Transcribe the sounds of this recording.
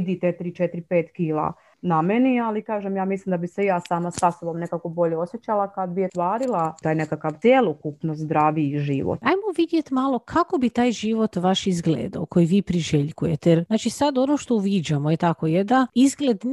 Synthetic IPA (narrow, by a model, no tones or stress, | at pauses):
d̪it̪et̪iɾit͡ʃet̪iɾipeːt̪kiːla̰ | namenialikaːʒemjaːmislimd̪abisejaːsaːmasasobomne̞kako̞bo̞ʎeosjet͡ɕalˠakad̪biet̪ʋaːɾilˠat̪aːjnekakaʋt̪ʲjelokupnozd̪ɾaːʋiʒiːʋo̰t̪ajmoʋid̪je̞t̪malˠokʰako̞bit̪aːjʒiʋo̞t̪ʋaʃizɡlḛːd̪a̰oko̞jiʋiːpɾiʒeʎkujet̪ejeɾnaːt͡ʃisad̪onoːʃt̪o̞uʋiːd͡ʑamoje̞t̪ako̞jed̪aizɡled̪